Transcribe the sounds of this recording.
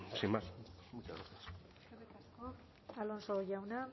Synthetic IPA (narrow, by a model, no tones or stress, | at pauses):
simasmut͡ʃazɣaɾθias | seret̪asko | alo̞nsoʝawna